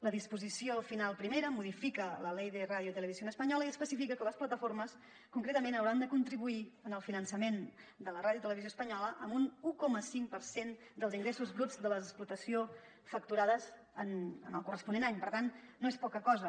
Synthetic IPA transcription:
ləðispuzisiofinalˠpɾimeɾəmuðifikələlɛjðeraðjuit̪ələβizionəspəɲɔləiəspəsifikəkələsplət̪əfoɾməs | kuŋkɾet̪əmenəwɾand̪əkunt̪ɾiβuiənəlˠfinənsəmend̪ələraðiut̪ələβizjoəspəɲɔləʔəmbunukɔməsiŋpəɾsen | d̪əlˠziŋɡɾesuzβɾuzd̪ələsplut̪əsio | fək̚t̪uɾaðəz | ənənəlˠkurəspunenaɲpəɾt̪anːoespɔkəkɔzə

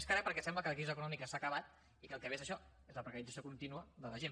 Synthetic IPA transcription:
skaɾapəɾkɛsɛmbləkəlˠkɾizəkunɔmikəsakəβat̪ | ikəlˠkəβezəʃɔ | ezləpɾəkəɾidd͡zəs̬iokunt̪inuəðələʒen

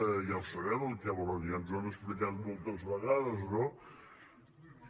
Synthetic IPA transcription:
jawsəβɛməlˠkaβoɾonjanzuaməspɾikat̪mɔlˠt̪əzβəɣaðəzno

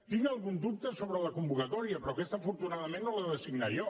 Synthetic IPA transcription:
t̪iŋɡəlˠɣund̪up̚t̪əsoβɾələkumbukət̪ɔɾiəpɾɔkɛst̪əfuɾt̪unaðəmenːoləðəsiɡnaɾiɔ

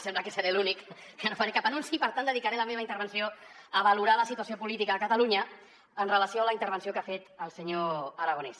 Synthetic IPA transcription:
sɛmblakəsəɾelunikː | ənofaɾekapənunsipəɾt̪and̪əðikaɾeləmeβəint̪əɾβənsioəβəluɾaləsit̪uəsiopulit̪ikəːkət̪əluɲə | ənrələsioələint̪əɾβ̞ənsiokafet̪əlˠsəɲoəɾaɣ̞ones

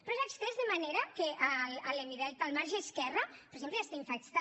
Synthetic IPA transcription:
pɾɔezekst̪ɛzðemaneɾakeʔalalemiðɛt̪alˠmaɾʒeːskɛrapeɾsemplejast̪aiɱfekt̪a

